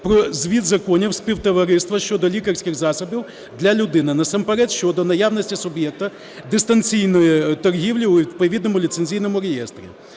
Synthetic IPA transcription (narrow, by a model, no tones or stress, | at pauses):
pɾɔzʲʋʲid̪zɐkɔnʲiwsʲpʲiwt̪ɔʋɐɾɪst̪ʋɐʃt͡ʃɔd̪ɔlʲikɐrʲsʲkʲɪxzɑsɔbʲiw | d̪lʲɐlʲʊd̪ɪnɪnɐsɑmpeɾɛt̪ʃt͡ʃɔd̪ɔnɐjawnɔsʲtʲisʊbʲjɛk̚t̪ɐ | d̪ɪst̪ɐnt͡sʲijnɔjʊt̪ɔrɦʲiwlʲiʊʋʲid̪̚pɐʋʲid̪̚nɔmʊlʲit̪senʲzʲijnɔmʊɾejɛst̪ɾʲḭ